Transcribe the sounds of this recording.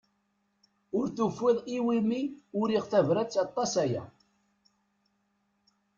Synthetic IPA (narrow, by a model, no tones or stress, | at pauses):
ʊɾθufːɪðˤiwimiʊɾiʁθævɾæt͡sːɑt̪ˤːɑsæjæ̰